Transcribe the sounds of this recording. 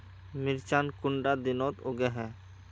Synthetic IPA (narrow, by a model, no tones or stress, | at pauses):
mɪɾt͡ʃaːnkʊɳɖad̪ɪnɔːt̪oɡɛɦɛ̃ː